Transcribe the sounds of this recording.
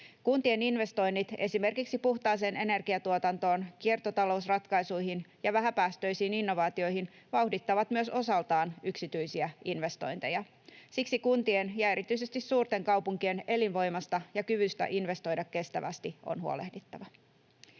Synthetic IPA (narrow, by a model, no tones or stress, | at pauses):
kunt̪ie̞ninʋe̞st̪o̞jnːit̪e̞sime̞rkiksipuxt̪ɑːs̬e̞ːne̞ne̞rɡ̥iɑt̪uot̪ɑnt̪o̞ːnkie̞rt̪ot̪ɑlo̞usrɑt̪kɑjsujhinjɑʋæɦæpæːst̪ø̞jsiːninːo̞ʋɑːt̪io̞jhin | ʋɑuwhdit̪ːɑʋɑt̪myøso̞sɑlt̪ɑːnyksit̪yjsiæʔinʋe̞st̪o̞̰jnt̪e̞̰jɑ | siksikunt̪ie̞njɑe̞ɾit̪yis̬e̞st̪issuːrt̪e̞ŋkɑwpuŋkie̞ne̞linʋo̞jmɑst̪ɑjɑkyʋyst̪æ̰ʔinʋe̞st̪o̞jdɑkːe̞st̪æʋæ̰st̪io̰nhuo̰le̞̰hdit̪ːɑʋɑ